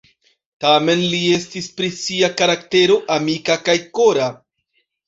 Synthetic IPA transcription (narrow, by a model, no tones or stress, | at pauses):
tame̞nlie̞stispɾisiakaɾakte̞ɾo̞ʔamikakajko̞ɾa